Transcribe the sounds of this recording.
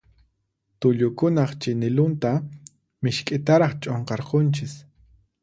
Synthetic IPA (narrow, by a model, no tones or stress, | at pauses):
t̪ʊʎʊkʊnɑχt͡ʃɪnɪlʊnt̪a | mɪʃkʼɪt̪aɾɑχt͡ʃʼoɴqɑɾqont͡ʃɪs